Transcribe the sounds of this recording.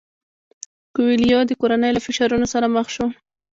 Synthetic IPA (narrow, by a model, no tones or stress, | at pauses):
kʊwilijɑd̪əkoɾanəjlafɪʃaɾunosaɾaməxʃo